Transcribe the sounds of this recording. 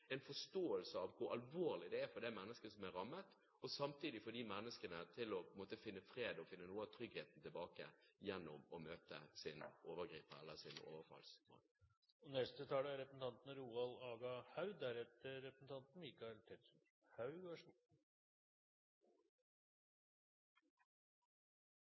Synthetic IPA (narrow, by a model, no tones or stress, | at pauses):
ɛɪnfɔʂt̪oːəlsəɑʋkʰʊɾɑlʋoːʁlɪd̪ɛæfɔɖ̪ɛmɛnːəskəsɔmæɾɑmːət̪ | ɔsɑmt̪iːd̪ɪfɔɖ̪imɛnːəskənət̪ʰɪlɔpʰɔɪnmoːt̪əfɪnːəfɾeːd̪ɔfɪnːənuːəɑt̪ʰɾʏɡheːt̪n̩t̪ʰɪlbɑːkə̰jɛnːɔmɔmøːt̪ə̰sɪnoːʋəɡɾiːpəɛlːəsɪno̰ːʋəɾfɑ̰lsmo̰ːl | ɔnɛst̪ət̪ʰɑːləæɾɛpɾsn̩t̪ʰɑnt̪nəɾuːɑlɑːɡɑhɑʉd̪æɾɛt̪ːəɾɛpɾsn̩t̪ʰɑnt̪n̩ɪkːɑt̪ʰɛt̪ | hɑʉɡʂ